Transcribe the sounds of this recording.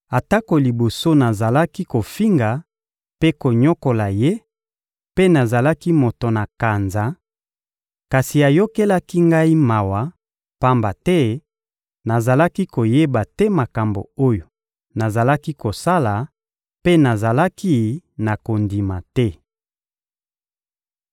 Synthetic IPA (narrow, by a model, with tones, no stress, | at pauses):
a˨ta˦ko˨li˨bo˨so˦na˨za˨la˦ki˦ko˨fi˦ŋɡa˨ | pe˦ko˨ɲɔ˦ko˨la˨je˦ | pe˦na˨za˨la˦ki˦mo˨to˨na˨ka˨nza˨ | ka˨si˨a˨jo˦ke˦la˦ki˦ŋɡa˦i˦ma˨wa˨ | pa˦mba˨tɛ˦ | na˨za˨la˦ki˦ko˨je˦ba˨tɛ˦ma˨ka˨mbo̰˨o˦jo˨ | na˨za˨la˦ki˦ko˨sa˦la˨ | pe˦na˨za˨la˦ki˦na˨ko˨ndi˨ma˨tɛ˦